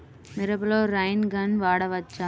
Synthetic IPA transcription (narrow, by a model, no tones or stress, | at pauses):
mɪɾɐbɪloːɾɐɪnɡɐnʋaːɽɐʋɐt͡ʃːa